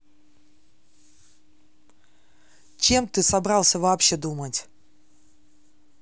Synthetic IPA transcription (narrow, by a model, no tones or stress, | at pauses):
t͡ɕe̞mt̪ɨsabɾɑlˠsʲəvaːpɕːed̪umətʲ